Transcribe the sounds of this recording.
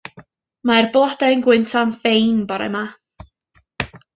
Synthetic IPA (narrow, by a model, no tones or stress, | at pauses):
marblˠɔdanɡwɪntʰanfejnbɔɾɛ̰ma